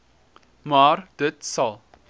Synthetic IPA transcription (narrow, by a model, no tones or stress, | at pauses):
maːrd̥ətsɐlˠ